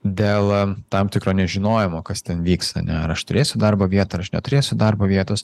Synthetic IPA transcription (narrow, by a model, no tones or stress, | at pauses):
d̪ʲeːlˠt̪ɑmt̪ʲɪkɾoːnʲɛʒʲɪnoːjɛmoːkɐst̪ʲɛnʋʲiːksɐ̰nʲɛɐɾɐʃt̪ʊɾʲeːsʲʊd̪ɐrboːʋʲiɛt̪oːɐɾɐʃnʲɛt̪ʊɾʲeːsʲʊd̪ɐrboːʋʲiɛt̪oːs